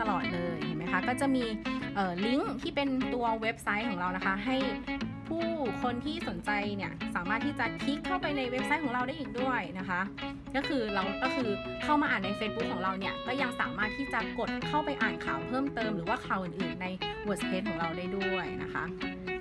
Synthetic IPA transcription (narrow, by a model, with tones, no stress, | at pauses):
t̪a˧lɔː˨˩t̪̚lɤː˧jt̪ʰi˨˩ma˦jkʰa˦˥kɔː˥˩t͡ɕa˨˩miː˧ʔɤː˨˩li˦˥ŋt̪ʰiː˥˩pe˧nt̪u˧ɐwe˦˥p̚sa˦˥jkʰɔː˨˩˦ŋɾa˧wna˦˥kʰa˦˥ɦa˥˩jpʰuː˥˩kʰo˧nt̪ʰiː˥˩so˨˩˦nt͡ɕa˧jni˥˩ɐsaː˩˦maː˥˩t̪ʰːiː˥˩t͡ɕa˨˩kʰi˦˥kʰːa˥˩wpa˧jna˧jwe˦˥p̚sa˦˥jkʰɔː˩˦ɾa˧wdaː˥˩jʔːŋ̚du˥˩əjna˦˥kʰa˦˥ʔ | kɔː˥˩kʰɯː˧ɾa˧wkɔː˥˩kʰɯː˧ | kʰa˥˩wmaː˧ʔaː˨˩nːa˧jfeː˧˥t̪̚bu˦˥kʰːɔː˩˦ɾa˧wni˥˩ɐkɔː˥˩ja˧ŋsa̰ː˩˦maː˥˩t̪ʰːiː˥˩t͡ɕa˨˩ko˨˩t̪̚kʰa˥˩wpa˧jʔaː˨˩nkʰaː˨˩˦wpʰɤː˥˩mt̪ɤː˧mɾɯː˩˦waː˥˩kʰaː˨˩˦wʔɯː˨˩nʔɯː˨˩nːa˧jwu˨˦˥spʰeː˦˥t̪̚kʰɔː˩˦ŋɾa˧wdaː˥˩jdu˥˩əjna̰˦˥kʰa̰˦˥ʔ